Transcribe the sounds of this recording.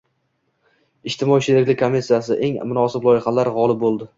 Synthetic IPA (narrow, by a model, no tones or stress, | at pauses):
ɪʃt̪ɪmɒjʃʰeɾɪkʲlɪkʲkʰomːisːijasɪʔe̞ŋmʊnɒsɪblˠɒjɪχɑlaɾʁɒlˠɪb̚bolˠd̪ɪ